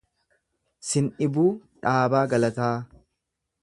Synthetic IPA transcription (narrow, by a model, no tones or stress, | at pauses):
sɪnʔɪbuːᶑaːbaːɡɐlɐt̪aː